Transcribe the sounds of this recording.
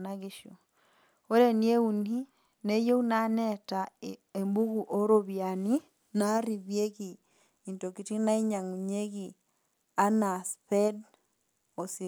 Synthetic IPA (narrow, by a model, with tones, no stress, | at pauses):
naɣiʃo˨ | o˦ɾe˨nie˦u˨ni˦ | ne˦jo˦u˦na˦nɛtae˨mbu˦ɣu˨ʔo˦ɾoβja˨ni˦ | na˦ɾi˨βje˦ɣi˨ | i˨nto˨ki˨ti˦na˦i˦ɲa˨ŋu˨ɲe˦ɣi | a˦na˨spɛ˦d | o˨si˨